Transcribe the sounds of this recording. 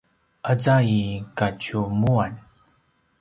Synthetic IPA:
ʔəd͡zaikat͡ɕumuan

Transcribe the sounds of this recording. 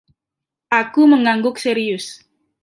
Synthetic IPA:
ʔakuməŋaŋɡʊk̚seɾiʊs

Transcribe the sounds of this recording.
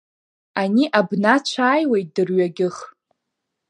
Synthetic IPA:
aniʔabnat͡ʃʷʰaːjwejt̚dɨrɥaɡʲɪχ

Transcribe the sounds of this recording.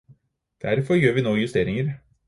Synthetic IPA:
d̪̥æɾfɔɾjøːɾʋiːnoːjʉst̪eːɾɪŋəɾ

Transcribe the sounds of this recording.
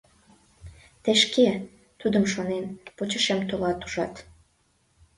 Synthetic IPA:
t̪eʃke | t̪ud̪əmʃonenpot͡ɕəʃemt̪olɑt̪u̥ʒɑ̰t̪

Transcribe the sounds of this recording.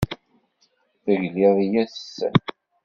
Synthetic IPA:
θəʝlɪðˤijæθə̥sːə̰n

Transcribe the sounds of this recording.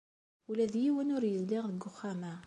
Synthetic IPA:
ulæðjiwənʊɾjəlːiʁðəɡːʊχːæmæ

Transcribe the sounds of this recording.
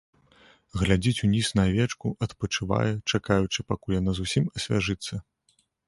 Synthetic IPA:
ɣlʲad͡zʲit͡sʲunʲisnɐvʲɛt͡ʂkuʔɐt̪pɐt͡ʂɨva̰jɛt͡ʂakajut͡ʂɨpakulʲjanazusʲimɐsʲvʲaʐɨt̪sːɐ

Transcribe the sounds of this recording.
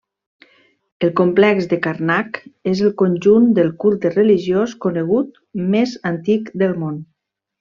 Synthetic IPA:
əlˠkomplɛkzd̪əkaɾnakezəlˠkonʲʒund̪əlˠkulˠt̪ərəliʒjoskonəɣ̞ut̪̚ | mezant̪ikd̪əlˠmon

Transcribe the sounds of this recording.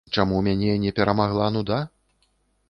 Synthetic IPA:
t͡ʂamumʲanʲɛnʲɛpʲɛɾʔɐmaɣlˠanud̪a

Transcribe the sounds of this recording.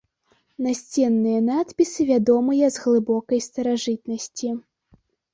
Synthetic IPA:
nasʲt͡sʲɛnːɨjɐnat̪pʲisɨvʲad̪ɔmɨjɐzɣlˠɨbɔkɐjst̪ɐɾaʐɨt̪̚nɐsʲt͡sʲi

